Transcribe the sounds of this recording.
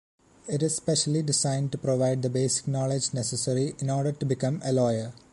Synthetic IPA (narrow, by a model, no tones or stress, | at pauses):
ɪʈɪzspeʃɐliɖɪsãɪ̃nɖ̚ʈupɾoʋaɪɖ̚d̪ɐbeːsɪ̥k̚nɔːled͡ʒnesəsɐɾiɪ̃nɔːɾɖəɾʈubɪkɐ̃mɐlɔːjəɾ